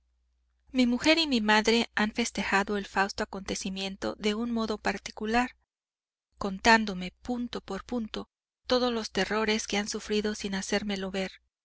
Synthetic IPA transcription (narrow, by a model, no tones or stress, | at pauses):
mimuxe̞ɾimimaðɾe̞anfe̞st̪e̞xaðo̞elfawst̪oako̞nt̪e̞simjẽ̞nt̪o̞̰ðe̞unmo̞ðo̞paɾt̪i̥kulaɾ | ko̞nt̪and̪o̞me̞punt̪o̞po̞ɾpunt̪o̞ | t̪o̞ðo̞zlo̞st̪e̞ro̞ɾe̞ske̞ansufɾiðo̞sinase̞ɾme̞lo̞βe̞ɾ